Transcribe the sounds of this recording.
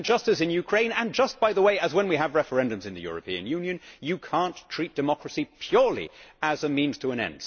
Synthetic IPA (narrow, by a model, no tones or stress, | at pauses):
d͡ʒʌstɨsɨ̃njʉkʰɹ̥ẽɪ̃nɨ̃nd͡ʒʌs̚b̥aɪðəweɪɨzwə̃nwiəvɹɛfə˞ɛ̃ndɨ̃mzɨ̃nðɨ̰jʊ̰ɹɨpʰĩɨ̰̃njʉ̃njɨ̃njɨkʰæ̃ntʰɹ̥it̚d̥ɨmɑkɹɨsipʰj̥ʊɹlˠḭəzəmĩnz̥tʰəə̃ñɛ̰̃nd̥